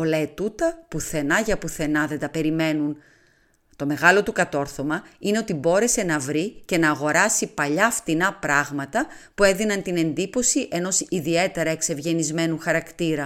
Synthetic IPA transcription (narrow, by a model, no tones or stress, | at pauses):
olɐet̪ut̪ɐpuθe̞nɐʝɐpuθe̞nɐðe̞nd̪ɐpe̞ɾime̞nun | t̪o̞me̞ɣɐlo̞t̪ukɐt̪o̞ɾθo̞mɐine̞o̞t̪ibo̞ɾe̞se̞nɐvɾice̞nɐːɣo̞ɾɐsipɐʎɐːft̪inɐpɾɐɣmɐt̪ɐpue̞ðinɐnt̪ine̞nd̪ipo̞siʔe̞no̞siðie̞t̪e̞ɾɐe̞kse̞vʝe̞nizme̞nuxɐɾɐkt̪iɾɐ